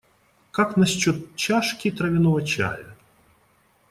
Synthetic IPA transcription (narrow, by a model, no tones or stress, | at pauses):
kaknɐsʲt͡ɕot̪̚t͡ɕaʂkʲɪt̪ɾɐvʲɪnovət͡ɕa̰jə